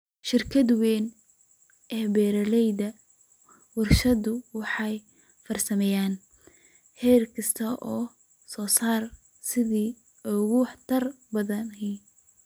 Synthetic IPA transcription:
ʃɪrkʰɐd̪wɛːn | ʔɛːbɛːɾɐlɛjd̪ɐ | wɑrʃɐðʊwɑħɑj | fɐrsɐmɛjaːn | hɛːrkʰɐst̪ʰɐʔɔː | sɔːsaːr | sɪðiː | ɔɣʊħt̪ʰɐr | bɐðɐnɦɛ

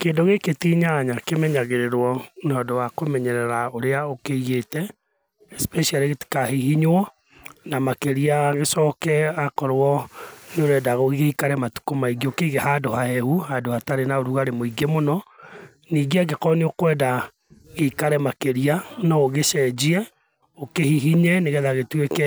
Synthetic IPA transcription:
keːndoɣeketiɲaɲakemɛɲaɣeɾeɾwɔnɔdowakomɛɲɛɾɛɾaoɾeaokeiɣetɛ | ɛspɛʃialiti̥kahehiɲwɔ | namakeɾiaɣesɔkɛakɔɾwɔneoɾɛːdaɣoɣehikaɾɛmatu̥komaiɡiokeɣehadohahɛhuhadohataɾenaoɾuɣaɾemoiɡemonɔ | niːɡeaɡekɔneokwɛːda | ɣeikaɾɛmakeɾianɔoɣeʃɛd͡ʒiɛ | okehiɦiɲɛneɣɛðaɣetwekɛ

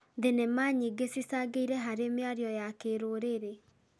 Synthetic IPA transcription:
ðenemaɲiɡesisaɡeiɾɛɦaɾemeaɾjɔjakeɾoɾeɾe

